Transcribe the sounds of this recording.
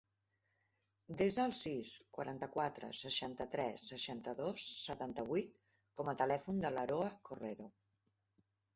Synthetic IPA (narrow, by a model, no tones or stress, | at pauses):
d̪ezəːlˠsiskwə̰ɾʔant̪əkwat̪ɾə̰səʃant̪ət̪ɾɛsːəʃant̪əðosːət̪ant̪əβ̞ujt̪̚ | kɔmət̪əlɛfund̪ələɾoəkoreɾo